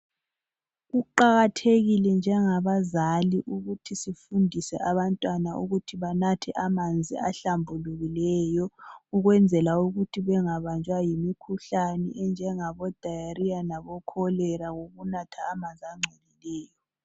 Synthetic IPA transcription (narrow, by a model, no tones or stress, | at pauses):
ɣuǃaɣatʰeɣilɛnd͡ʒʱɛŋaβazaliʔuɣutʰisifundʱisɛʔaβantʼwanauɣutʰiβanatʰɛʔamand͡zʱḭaɬambʱuluɣilɛjɔuɣwɛnd͡zʱɛlauɣutʰiβɛŋaβant͡ʃʼwajimikʰuɬanɛ̰ʔɛnd͡ʒʱɛŋaβɔd̥ʱajaɾianaβɔkʰɔlɛɾaɣoɣunatʰaːmand͡zʱiaŋ͡ǀʱɛlilɛːjɔ